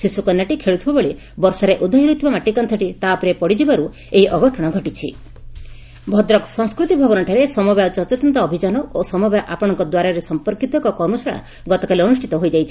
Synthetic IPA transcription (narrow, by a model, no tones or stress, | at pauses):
sisukɔnjaʈikʰeɭut̪ʰibabeɭi | bɔɾsɔɾeʔud̪ʱɔɦiɾut̪ʰːɔmaʈikɔnt̪ʰɔʈit̪aːpɾiepɔɽid͡ʒibaɾu | eiʔɔɡɔʈʰɔɽ̃ɔɡʱɔʈit͡ʃʰḭ | bʱɔd̪ɾɔksɔŋskɾut̪ibʱɔbɔnɔʈʰaɾesɔmɔbjat͡ʃɔt͡ʃɔt̪ɔnt̪aːbʱid͡ʒanɔosɔmɔbjaʔapɔɽ̃ɔŋkɔd̪waɾaɾesɔmpɔɾkit̪ɔkɔkɔɾmɔsaɭa̰ | ɡɔt̪ɔkaliɔnusʈʰit̪ɔɦojd͡ʒajt͡ʃʰi̥